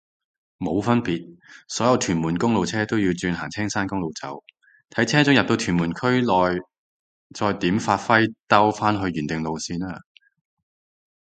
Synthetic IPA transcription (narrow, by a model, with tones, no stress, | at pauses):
mo˨˧wfɐ˥npiː˨t̚sɔː˨˥jɐ˧wt̪ʰyː˨˩nmuː˨˩nkʊ˥ŋlo˨wt͡sʰɛː˥t̪o˥wjiː˧wt͡syː˧nɦaː˨˩ŋt͡sʰɛː˥ŋsaː˥nkʊ˥ŋlo˨wt͡sɐ̰˨˥w | t̪ʰɐ˨˥jt͡sʰɛː˥t͡sʊ˨˥ŋjɐ˨p̚t̪o˧wt̪ʰyː˨˩nmuː˨˩nkʰɵ˥ɥlɔː˨j | t͡sɔː˧jt̪iː˨˥mfaː˧t̚fɐ˥jt̪ɐ˥wfaː˥nɦɵ˧ɥːyː˨˩nt̪ɪ˨ŋlo˨wsiː˧naː˥